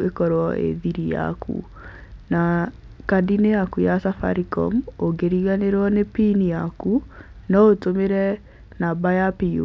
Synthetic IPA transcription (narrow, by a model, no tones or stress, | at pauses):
ekɔɾwɔʔḛðiɾija̰kʰṵ | na | kadineakujasafa̰ɾikɔ̰moɡeɾiɣaneɾwɔnepinijaku | nɔotomeɾɛ | nabajapio̰